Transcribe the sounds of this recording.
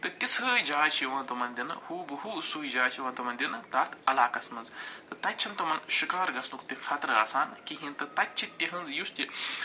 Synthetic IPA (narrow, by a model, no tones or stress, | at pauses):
t̪ɨt̪ʲit͡sʰɨːjd͡ʒaːt͡ʃʰiʋãːnt̪ɐmɐnd̪ʲinɐhuːbɨhuːsuːjd͡ʒaːt͡ʃʰiʋãːnt̪ɐmɐnd̪ʲinɐt̪aːt̪ʰɐlaːkɐsmɐnzt̪ɨt̪ɐtʲːt͡ʃʰiɐnt̪ɐmɐnʃikaːɾɡɐsnukt̪ikʰɐt̪ɾɨaːsaːnkiɦĩnt̪ɐt̪ɐtʲt͡ʃʰit̪ʲːiɦɐ̃nzjust̪ʲi